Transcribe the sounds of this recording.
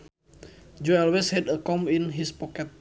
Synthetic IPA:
d͡ʒoɔlwɛshɛdəkɔminɦispɔkɛt̪̚

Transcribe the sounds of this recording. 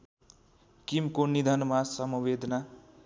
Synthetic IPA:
kimkonid̪ʱʌnmasʌmuwed̪ʱʌna

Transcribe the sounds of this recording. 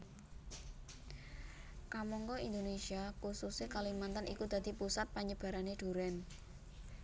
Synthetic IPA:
kamɔŋkɔind̪onesiakususekalimant̪anʔḭkud̪̥a̤d̪̥i̤pusat̪̚paɲəb̥a̤ɾaneɖ̪̥ṳɾɛn

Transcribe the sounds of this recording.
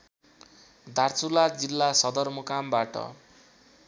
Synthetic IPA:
d̪ʱart͡sulad͡zilːasʌd̪ʌrmokambaʈʌ̰

